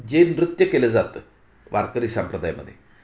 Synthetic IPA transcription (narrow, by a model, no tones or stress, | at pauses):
d͡ʑeːnrɨt̪jɐkelɐzat̪ːɨ | ʋɐrkɐɾisɐmprɐd̪aːjɐmɐ̰d̪ḭ